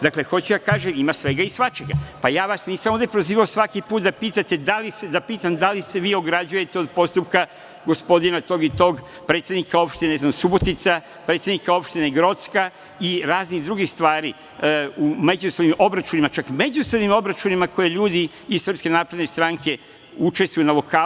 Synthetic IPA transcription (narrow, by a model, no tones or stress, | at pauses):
d̪akle̞xo̞t͡ɕud̪akaːʒemimasʋe̞ɡaisʋat͡ʃe̞ɡa̰pajaːʋasniːsamoʋd̪epɾoziːʋaosʋakipuːt̪̚d̪apiːt̪at̪e̞d̪alised̪apiːt̪amd̪alise̞ʋiːo̞ɡɾad͡ʒuje̞t̪eo̞d̪po̞st̪upka | ɡo̞spo̞d̪inat̪o̞ːɡit̪o̞ːɡ | pɾe̞t̪sje̞d̪nikao̞pʃt̪ineznamsubo̞t̪it̪sa | pɾet̪sʲed̪nikao̞pʃt̪ineɡɾo̞t̪ska | iɾaːzniɣd̪ɾuɡixst̪ʋaːɾi | umed͡ʒusonimo̞bɾat͡ʃunimat͡ʃakme̞d͡ʒuso̞d̪nimo̞bɾat͡ʃunimakʰo̞je̞ʎuːd̪i | izsr̩pske̞naːpɾed̪nest̪ɾaŋkʰe̞ | ut͡ʃe̞st̪ʋujunalo̞kaː